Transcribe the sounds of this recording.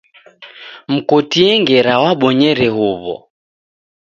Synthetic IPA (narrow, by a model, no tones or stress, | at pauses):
m̩kɔtiɛŋɡɛɾawaɓɔɲɛɾɛhuβɔ̰